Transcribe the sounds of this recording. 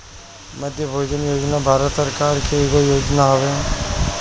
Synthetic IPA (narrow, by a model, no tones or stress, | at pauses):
məd̪ʱjəbʱoːd͡ʒənjoːd͡ʒnabʱaːɾət̪səɾkaːɾkʰeeːɡojoːd͡ʒnaɦoʋe